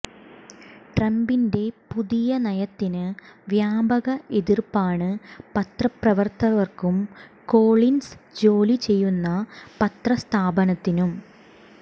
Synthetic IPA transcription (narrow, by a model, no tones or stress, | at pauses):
ʈrɐmbinde̞puðijɐnɐjɐt̪ːinɨʋjaːbɐɣɐʔeðirpaːɳɨpɐt̪rɐprɐʋɐrt̪ɐʋɐrkumko̞ːɭinsd͡ʑo̞ːlit͡ɕe̞jːunːɐpɐt̪rɐst̪ʰaːbɐnɐt̪ːinum